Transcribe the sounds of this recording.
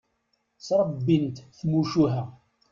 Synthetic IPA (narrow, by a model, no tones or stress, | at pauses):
sɾˤəbːint̪θmuʃuɦæ